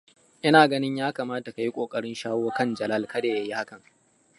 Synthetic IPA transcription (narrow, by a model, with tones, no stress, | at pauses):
ʔɪ˦naː˨ɡɐ˦nɪ˦ɲjaː˦kaː˨maː˦ta˨ka˨ji˦kʷʼoː˨kʼɐ˦ɽɪ˦nʃaː˦woː˦kɐ˦˨nd͡ʒɐ˨lɐ˦lkɐ˦daː˨jɐ˦ji˦ha˦kɐ˨ŋ